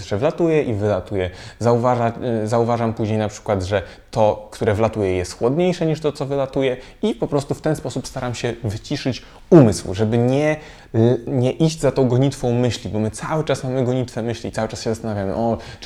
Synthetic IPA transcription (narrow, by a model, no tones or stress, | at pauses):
ʂɛvlat̪ujɛʔivɘlat̪ujɛzauvaʐazauvaʐampuʑɲejnapʂɘ̥kwad̪ʐɛ | t̪ɔkt̪uɾɛvlat̪ujɛjɛst̪xwɔd̪ɲejʂɛɲiʂt̪ɔt̪sɔvɘlat̪ujɛ | ipɔpɾɔst̪uft̪ɛnspɔsupst̪aɾamɕɛvɘt͡ɕiʂɘt͡ɕ | umɘswʐɛbɘɲɛ | ɲɛʔiʑd͡ʑzat̪ɔ̃w̃ɡɔɲit̪fɔ̃w̃mɘɕlʲibɔmɘt̪sawɘt͡ʂasmamɘɡɔɲit̪fɛmɘɕlʲit̪sawɘt͡ʂasɕɛzast̪anavʲjamɘ̰ʔɔ